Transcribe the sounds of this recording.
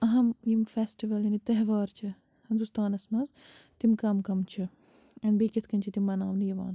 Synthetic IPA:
ɐɦɐmjimfeːsʈiʋɐljɐnit̪ɐɦʋaːɾt͡ʃʰɐ | hind̪ust̪aːnɐsmɐzt̪imkɐmkɐmt͡ʃʰɐ | ɐnbeːkɐt̪ʰkɐnʲt͡ʃʰit̪imːɐnaːmnijɐʋa̰ːn

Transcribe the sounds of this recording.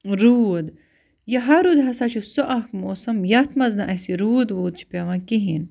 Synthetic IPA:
ɾuːd̪ | jɐɦɐɾud̪ɦɐsat͡ʃʰusoʔɐkmoːsɐmjɐt̪ʰmɐznaʔɐsiɾuːd̪ʋuːd̪̚t͡ʃʰi̥pʲaʋãːkiɦin

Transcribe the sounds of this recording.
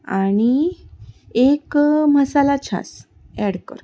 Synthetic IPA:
aɽ̃i | ekməsalat͡ɕʰa̰s | ɛɽkə̰ɾ

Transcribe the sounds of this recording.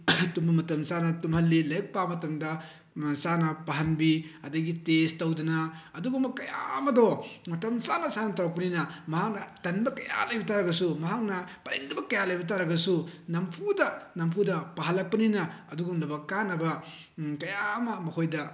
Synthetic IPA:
tumɐmɐtɐmsanɐtumhɐlːilɐjɐk̚pamɐtɐmdɐ | sanɐpaɦɐnbiɐdɐɡitestɐwdɐnɐɐduɡumɐkɐja̰ɐmɐdɔmɐtɐmsanɐsanɐtɐwɐk̚pɐninɐmɐɦak̚nɐtɐnbɐkɐja̰lɐjbitʰaɾɐɡɐsumɐɦak̚nɐpɐɾḭŋdɐbɐkɐjalɐjbit̬aɾɐɡɐsunɐmpʰudɐnɐmpʰudɐpaɦɐlːɐk̚pɐninɐɐduɡumlɐbɐkːanːɐbɐkɐjamɐmɐkʰojdɐ

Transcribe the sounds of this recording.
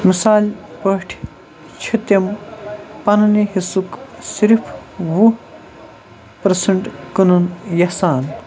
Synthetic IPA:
misaːlʲpəʈʰ | t͡ʃʰɐt̪ɐm | pɐnniɦisuksiɾpʰʋu | pɐɾsɐɳʈkɐnunjɐsaːn

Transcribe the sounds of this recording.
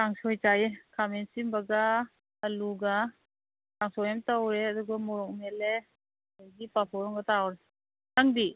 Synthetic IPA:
kaŋsɔjt͡ʃajekamensimbaɡaː | luɡa | kaŋsɔjemtawɾeaduɡamɔɾɔk̚mele | ajɡipapʰɔɾɔŋɡatawɾe | naŋdi

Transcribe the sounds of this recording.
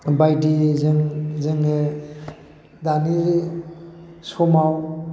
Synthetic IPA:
bajdizeŋzɯŋe | daniɾi | sɔmaw

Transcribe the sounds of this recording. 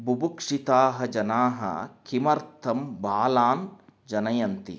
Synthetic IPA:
bubukʂit̪aːɦɐ̆d͡ʒɐnaːɦɐ̰kʰimɐɾt̪ʰɐmbaːlaːnd͡ʒɐnɐjɐnt̪ḭ

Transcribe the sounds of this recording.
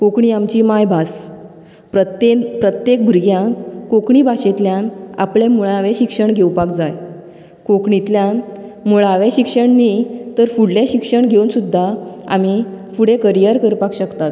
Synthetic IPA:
kokɳiamt͡ɕimajbʱas | pəpɾət̪jek̚bʱuɾɡjãnkokɳiːbaɕet̪ljãna̰plemuɭaʋeɕikʂəɳɡʱewpakd͡zaj | kokɳit̪ljanmuɭaʋeɕikʂəɳnit̪əɾfuɽleɕikʂəɳɡʱeunsud̪ʱːaa̰mifuɽekəɾijəɾkəɾpakɕəkt̪at̪

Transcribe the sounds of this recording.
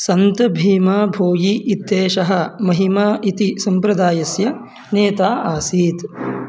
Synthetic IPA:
sɐnt̪ɐbʱiːmaːbʱoːjiʔːt̪ːeːʃɐɦɐ̆mɐɦimaːʔit̪isɐmpɾɐd̪aːjɐsjɐ | neːt̪aːʔaːsiːt̪

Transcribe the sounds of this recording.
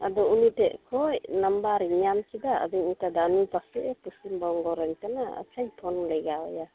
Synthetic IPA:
adɔunitɛʔkʰɔjnambaɾiɲankidaa̰diŋitadanupasɛʔɛpusimbɔŋɡɔɾɛɲtanaa̰t͡ʃaɲpʰɔnlajɡaɔja

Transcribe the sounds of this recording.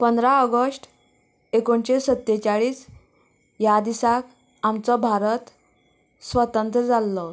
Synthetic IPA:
pənd̪ɾaəɡəsʈ | ekoɳɕesət̪ːet͡ɕaɭiːs | jad̪isak | amt͡sɔbʱaɾət̪ | sʋət̪ənt̪ɾəd͡zalːɔ

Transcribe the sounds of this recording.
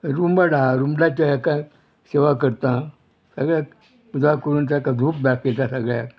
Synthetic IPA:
ɾumbaɽaɾumbɽat͡ɕaɦakã | seʋakəɾt̪ã | səɡɭjak | d͡zʋakəɾuːnsakãd̪ʱuːp̚bakʰjet̪ãsəɡɭja̰

